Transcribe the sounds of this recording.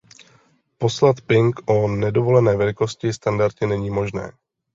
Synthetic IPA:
po̞slat̪pɪŋkʔonɛdo̞vo̞lɛnɛːvɛlɪko̞scɪst̪andaɾcɪnɛɲiːmo̞ʒnɛ̰ː

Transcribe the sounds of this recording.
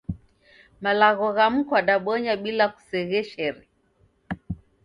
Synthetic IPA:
malaɣɔɣam̩kwaɗaɓɔɲaɓilaku̥sɛɣɛʃɛɾi

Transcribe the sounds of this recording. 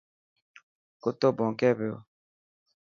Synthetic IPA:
kot̪obɔ̃ŋkɛbeo̰

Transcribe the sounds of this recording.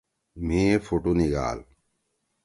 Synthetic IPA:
miːfuʈuniɡa̰ːl

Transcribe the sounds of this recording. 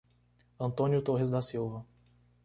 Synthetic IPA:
ɐ̃nt̪õnjʊt̪oɦɪzd̪ɐsiwvɐ

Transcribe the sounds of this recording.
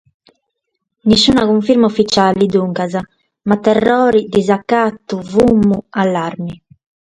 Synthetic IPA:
nisːuːnaɣuɱfiɾmaufit͡ʃalid̪uŋkaza | mat̪ːɛrːɔːɾid̪izakːat̪ːuvumːualːaɾmi

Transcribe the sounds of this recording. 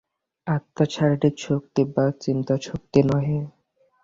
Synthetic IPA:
at̪ːat͡ɕʰaɾɖit͡ɕʰok̚t̪ibat͡ɕint̪at͡ɕʰok̚t̪inɔɦe

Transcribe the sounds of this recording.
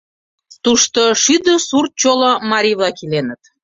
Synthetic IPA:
t̪uʃt̪oʃyd̪ə̆surt̪̚t͡ɕolomɑɾʲiβlɑkilenət̪

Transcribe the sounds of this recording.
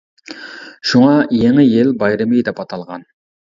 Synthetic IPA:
ʃuŋɑjeŋɪjelbɑjɾɨmijd̪ɛpɑt̪ʰɑlˠʁɑn

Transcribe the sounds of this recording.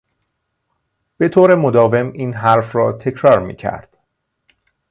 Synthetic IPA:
b̥e̞t̪ʰoːɾe̞mod̪ɒːve̞miːnɦæɾfrɒːt̪ʰe̞cʰɾɒːɾmḭːcʰæ̰ɾd̪̥

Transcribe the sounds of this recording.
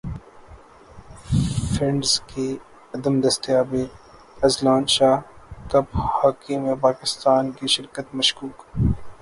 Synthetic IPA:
fɪ̃ɳɖzke | ɐd̪əmd̪ɐst̪ijaːbeː | ɐzlaːnʃaːkɐphaːkiːmẽpaːkɪst̪aːnkiʃɪɾkət̪mɐʃkuːk

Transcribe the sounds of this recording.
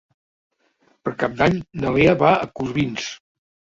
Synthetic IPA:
pəɾkap̚d̪aɲnəleəβaəkuzβins

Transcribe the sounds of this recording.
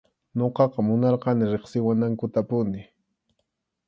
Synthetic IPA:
noqɑqɑmʊnɑɾqɑnɪɾeχsɪwanaŋkʊt̪apʊnɪ

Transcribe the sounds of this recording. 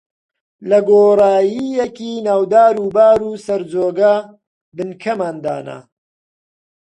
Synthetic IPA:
lɐɡoːrˤaːjijekiːnaːwd̪aːɾuːbaːɾuːsɐɾd͡zoːɡɐ | bɨnkʰɐmaːnd̪a̰ːna̰

